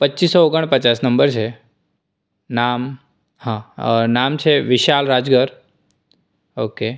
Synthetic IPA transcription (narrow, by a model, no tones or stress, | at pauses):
pətːt͡ʃːisːɔoɡəɳ̃pət͡ʃasnəmbəɾt͡ʃʰe | nam | hãnamt͡ʃʰeʋɪʃalɾad͡ʒɡəɾ | oke